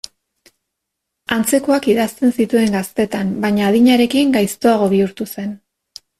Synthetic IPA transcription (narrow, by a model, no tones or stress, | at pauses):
ant͡se̞ko̞akiðast̪e̞nsit̪ue̞ŋɡast̪e̞t̪ambaɲaːðiɲaɾe̞kiŋɡajst̪o̞aɣ̞o̞βiuɾt̪use̞n